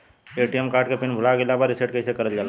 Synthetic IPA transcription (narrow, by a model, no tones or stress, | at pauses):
eʈijemkaːɾʈkepɪnbʱʊlaɡɪlabaɾɪseʈ̚keɪsekəɾəld͡ʒaːl